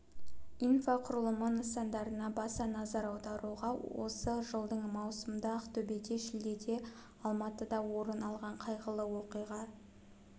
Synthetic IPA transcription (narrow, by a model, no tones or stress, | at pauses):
infaqʰʊɾəlˠəmənəsɑnd̪ɑɾənɑbɑsɑnɑzɑɾɑwd̪ɑɾuʁɑwo̞̰səʒəlˠd̪əɴmɑwsəməd̪ɑqt̪ʰɵbe̞d̪e̞ʃɪld̪e̞d̪e̞ | ɑlˠmɑt̪əd̪ɑwo̞ɾənɑlˠʁɑɴqʰɑjʁəlˠəwoqəjʁɑ